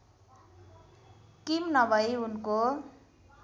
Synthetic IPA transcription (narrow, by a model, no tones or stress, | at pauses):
kimnʌbʱʌjunko